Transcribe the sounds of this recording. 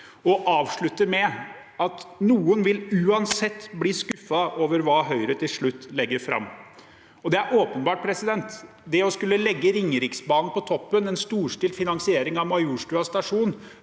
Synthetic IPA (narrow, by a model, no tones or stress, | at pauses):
ɔʔɑːʋʂɭʉt̪ːəɾmɛ | ɑt̪nuːənʋɪlʉːɑnsɛt̪ːbliːskʉfːɑʔoːʋəɾʋɑːɦœʏɾət̪ʰɪlʂɭʉt̪ːlɛɡːəɾfɾɑ̰mː | ɔd̪ɛæɾʔoːpənbɑːʈ̚pʰɾɛsɪd̪ɛnt̪ | d̪ɛɔskʉlːəlɛɡːəɾɪŋːɾɪksbɑːnn̩pɔt̪ʰɔpːənɛnst̪uːʂʈɪːlfɪnɑnsɪeːɾɪŋɑʋmɑɪuʂʈʉɑst̪ɑʂuːn